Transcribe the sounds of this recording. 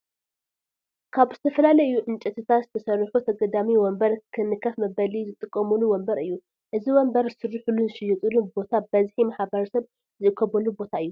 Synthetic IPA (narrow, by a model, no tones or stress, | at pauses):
kʰaβzɨt̪ʰɐfɐlalɐjɨjuʔɨnt͡ʃʼɛt̪ʰɨt̪ʰat̪zɨt̪ʰɐsɐɾħut̪ʰɐɡɐd̪amiwɔmbɐɾkʰɨnːɨkʰːɐfmɐbɐlizɨt̪ʼɨkʼːɐmuluwɔmbɐɾɨjːu | ʔɨziwɔmbɐɾzɨsɨɾːɨħulunzɨʃɨjːɛt̪ʼulubo̞t̪ʰabɐzħimaħbɐɾɐsɐβ | zɨʔɨkʰːɐβɐlubo̞t̪ʰaɨjːu